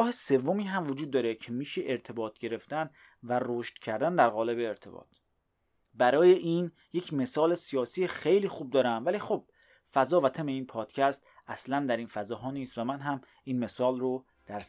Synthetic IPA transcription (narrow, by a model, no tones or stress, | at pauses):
ɒːhese̞vːomiːɦæmvod͡ʒuːd̪̚ːɒːɾe̞cʰemiːʃeʔeɾt̪ʰe̞bɒːt̪ʰɟe̞ɾe̞ft̪æn | væroːʃt̪cʰæɾd̪ænd̪æɾɣɒːle̞beːɾt̪ʰe̞̰bɒ̰ːt̪ʰ | bæɾɒːje̞ʔiːn | je̞cʰme̞sɒːle̞sijɒːsiːexejliːxuːb̚d̪ɒːɾæmvæliːxob̥̚ | fæzɒːvæt̪ʰæme̞iːnpʰɒːd̪̥cʰæst̪ | ʔæslænd̪æɾiːnfæzɒːɦɒːniːst̪væmænɦæm | iːnme̞sɒːlro | d̪̥æɾs